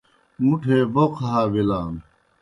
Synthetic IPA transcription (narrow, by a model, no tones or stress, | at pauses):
muʈʰeːboqʰaɦaːʋilaːm